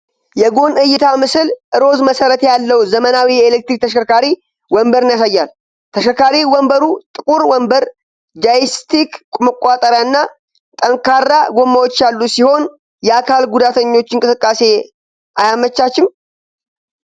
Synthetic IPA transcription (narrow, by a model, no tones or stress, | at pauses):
jɛɡo̞nɨjːɪt̪ʰamɨsɨlʔɨɾo̞zməsəɾət̪jalːəwzəmənawijelek̚t̪ɾik̚t̪ʰəʃəkʰaɾi | wɔmbəɾɨnjasajːal | t̪ʰəʃəkaɾiwɔmbəɾut̪ʼɨkʼuɾwɔmbəɾ | d͡ʒajist̪ʰikkʼməkʷʼːat̪ʼəɾjaɨnːa | t̪ʼəŋkʰarːaɡo̞mːawo̞t͡ʃːjalːusiho̞n | jɛakʰalɡud̪at̪ʰəɲːo̞t͡ʃːɪŋkʼɨsɨkʼːase̞ | ʔajamət͡ʃːat͡ʃːɪm